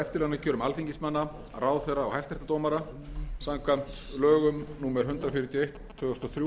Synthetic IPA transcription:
ɛft̪ɪɾlɛɣnacʰœːɾʏmalθiɲcɪsmanːa | raːwθejrːaːwhajft̪ɛ̥t̪at̪oːmaɾa | saŋkʰvam̥t̪lœːɣʏmnuːmɛɾ̥ɦʏnt̪ɾafɪɾʏt̪ʰiejht̪ʰːʏːɔst̪ɔθɾju

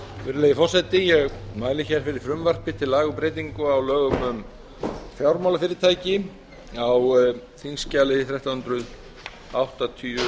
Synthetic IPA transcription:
vɛɾʏlejðɪfɔrsɛt̪ɪjɛɣmaːjlɪçɛɾ̥fɪɾɪɾ̥fɾʏmvar̥pɪt̪ʰɪlaːɣʏpɾeːjt̪̬iŋkʏawlœːɣʏmʏm | fjawɾmawlafɪːɾɪt̪ʰaːjcɪ | awθinscaːlɪðɪθɾɛht̪awhʏnt̪ɾʏð | awht̪at̪ʰyːʏ

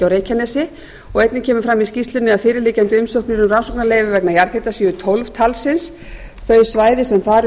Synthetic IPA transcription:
awɾeːjcʰanɛsɪ | ɔɣejt̪nɪcʰɛːmʏfɾamːiscist̪lʏnːɪafɪːɾɪɾliːcant̪ɪʏmsowhkniɾʏmransɔwknaleːjvʏvɛknajaɾkʰet̪asiːðʏt̪ʰolv̥t̪ʰalsɪns | θœɥsvaːjðɪsɛmθaːɾ

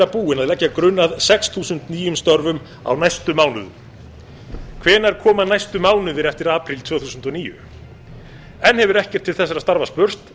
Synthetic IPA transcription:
apuːɪnaðlɛcːakɾʏnːaðsɛksθʰuːsʏnt̪niːjʏmst̪ɔɾvʏm | a̰wnajst̪ʏmaːwnʏðʏ | kʰvɛːnaɾ̥kʰɔːmanajst̪ʏmaːwnʏvɪɾɛft̪ɪɾaːpʰɾɪlt̪ʰvœːθuːsʏnt̪ɔniːjʏ̰ | ɛnhɛvʏɾɛhcɛɾ̥t̪ʰːɪlθɛsaɾast̪aɾvaspʏr̥t̪

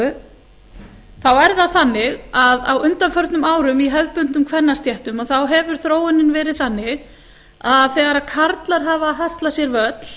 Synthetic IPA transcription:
θawɛɾðaθanːɪɣaða̰wʏnt̪anfœɾt̪nʏmaːwɾʏmiɦɛvpʏnt̪ʏmkʰvɛnːast̪jɛht̪ʏmaθawɦɛvʏɾ̥θɾoːwɪnːɪnvɛːɾɪðθanːɪɣ | aðθɛɣaɾaðkʰaɾt̪laɾ̥ɦaːvaɦast̪lasjɛɾvœt̪l̥

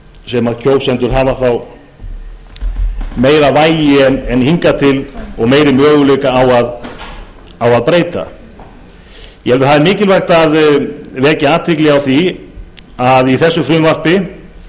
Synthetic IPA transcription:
sɛmaðcʰoːwsɛnt̪ʏɾ̥ɦaːvaθaw | meːjɾavaːjɪɛnɛnhiŋkat̪ʰɪlɔɣmeːjɾɪmœːɣʏleːkaːwað | awaðpɾeːjt̪a̰ | jɛɛlɪθaðɛɾmɪːcɪlvajxt̪aðvɛːcaaːt̪ʰvɪklɪawθi | aðiθɛsːʏfɾʏːmvar̥pɪ

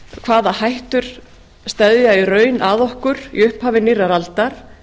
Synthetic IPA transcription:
kʰv̥aːðahajht̪ʏɾ̥ | st̪ɛðjairœːɥnʔaðɔhkʏɾḭʏhphaːvɪniraɾalt̪aɾ̥

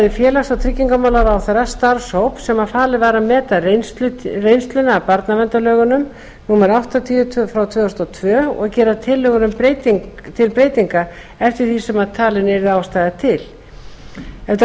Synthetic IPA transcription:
ðɪfjɛːlast̪awt̪ʰɾɪcːiŋkamawlawɾawθaɾast̪aɾshowpsɛmaðfaːlɪvaːɾamɛːt̪arenst̪lʏrejnst̪lʏnaːpaɾt̪navɛnt̪alœːɣʏnʏm | nuːmaɾawht̪at̪ʰiːʏfɾawt̪ʰvœːʏst̪ɔt̪ʰvœːɔ̰ɣcɛːɾat̪ʰɪlːœɣʏnʏmpɾejt̪iŋt̪ʰɪlpɾeːjt̪iŋka | ɛft̪ɪɾ̥θisɛmaðt̪ʰaːlɪnɛɾɪðaːwst̪ajðat̪ʰɪl | ɛft̪

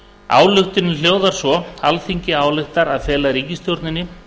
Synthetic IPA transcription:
a̰ːwlʏxt̪ɪnːɪljoːwðaɾ̥sɔalθiɲcɪaːwlɪxt̪aɾaðfɛːlaɾiːcɪst̪jowɾt̪nɪnːɪ

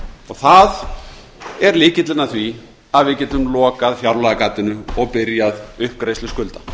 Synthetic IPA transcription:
ɔɣθað | ɛɾliːcɪt̪lɪnaθvi | aðvɪcɪt̪lʏmlɔːkaðfjawɾlaðakat̪ːɪnʏɔɣpɪɾjaðʏhp̚kɾejslʏskʏlt̪ḁ

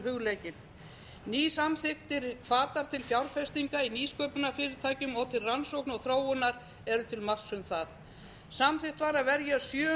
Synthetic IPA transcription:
ɦʏɣlejcɪn | niːsamθɪxt̪ɪɾkʰfaːt̪aɾ̥t̪ʰɪlfjawɾfɛst̪iŋkainiːskœːpʏnafɪːɾɪɾ̥t̪ʰaːjcʏmɔɣt̪ʰɪlransowknɔɣθɾoːwʏnːaɾ | ɛɾʏt̪ʰɪlmar̥sʏmθað | samθɪxt̪vaɾaðvɛɾjasjœː

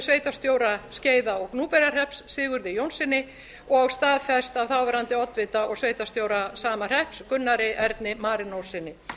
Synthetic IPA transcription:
sveːjt̪ast̪joːwɾasceːjðaɔɣknuːpɛɾar̥ɛhpsːɪːɣʏɾðɪjownsɪnːɪ | ɔɣaɣst̪aːðfɛst̪avθawvɛːɾant̪ɪɔt̪vɪt̪aɔɣsveːjt̪ast̪jowɾasaːmar̥ɛhpskʏnːaɾɪʔɛɾt̪nɪmaːɾɪnowsɪnːɪ

